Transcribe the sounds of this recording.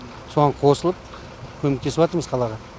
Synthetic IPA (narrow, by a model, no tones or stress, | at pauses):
soʁɑɴqʰo̞səlˠəp̚ | kʲʰɵmek̚t̪ʰeɪpwɑt̪əɾməz̥qʰɑlˠɑʁɑ